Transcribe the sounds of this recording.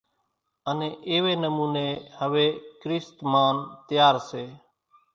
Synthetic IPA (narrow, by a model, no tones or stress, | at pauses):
ənẽːʔɪːʋeːnəmuːneːhəʋeːkɾɪst̪maːnt̪ɪjaːɾseː